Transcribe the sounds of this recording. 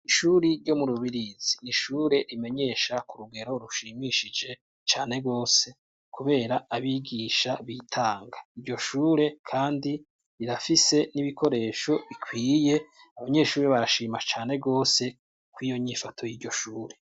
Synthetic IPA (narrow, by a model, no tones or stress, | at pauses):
iʃuːɾiɾɟo̞muɾuβiɾiz̥iniʃuːɾe̞ɾime̞ɲe̞ʃakuɾuɡe̞ɾo̞ɾuʃiːmiːʃid͡ʒe̞ | t͡ʃaːne̞ɡo̞ːse̞ | kuβe̞ːɾaaβiɡiːʃaβitʰaːŋɡaiɾɟo̞ʃuːɾe̞kʰaːndi | iɾafise̞niβikʰo̞ɾe̞ːʃo̞βikʰwiːje̞ | aβaɲe̞ːʃuːɾeβaɾaʃiːmat͡ʃaːne̞ɡo̞ːse̞ | kwiːjo̞ɲifatʰo̞jiːɟo̞ʃuːɾe̞